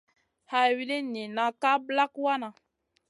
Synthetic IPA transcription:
ha˦wi˦le˦ni˨na˦ka˦bla˦kwa˦na˨

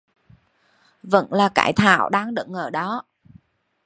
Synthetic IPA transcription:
və̰˧˥nlaː˨˩ka̰ː˧˩jt̪ʰa̰ː˧˩˨wɗaː˧ŋɗə̰˧˩ŋʔəː˧˩ɗɔ˨˦

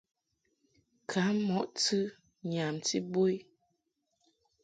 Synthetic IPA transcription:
kʰa˨˦mɔ˦ʔtɨ˦ | ɲa˨mti˦bo˦i˦

